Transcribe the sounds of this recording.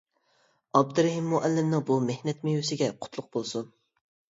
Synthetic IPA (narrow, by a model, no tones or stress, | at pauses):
ɑb̚d̪ɨɾɛɦɪmːʊʔɛlːɪmnɪŋbumehnɛt̪mejusɪɡʲɛqʰʊ̥t̪ʰlˠʊq̚bolˠsun